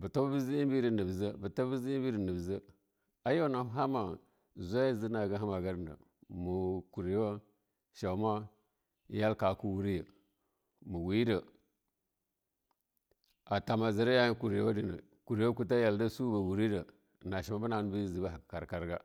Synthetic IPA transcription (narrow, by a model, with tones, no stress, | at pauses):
bə˨ta˦bi˦zi˦i˦bi˦di˨nə˨bzə˦bə˨ta˦bi˦zi˦i˦bi˦ɾi˨nə˨bzə˦ | a˦jo˦na˨˦ɦa˦ma˨ | zʷa˦ja˦zə˦na˨ɡa˦ɦa˦ma˨ɡa˦ɾnda̰˨ | mu˨ku˨ɾi˨jo˦ | ʃa˨˦ma˦ | ja˦lka˨ku˦wu˦ɾi˦jə˨ | mu˨wi˦də˨ | a˨ta˨ma˨zə˨ɾa˦ja˦ku˨ɾi˨jo˦di˨nə̰˨ | ku˨ɾi˨jo˦ku˦ta˦ja˨lda˦su˦ba˨wu˨ɾi˦də˨ | na˨ʃa˨ma˦bə˦na˨n˦bi˦zi˨ba˦˨a˨kka˨ɾka˨ɾɡa̰˦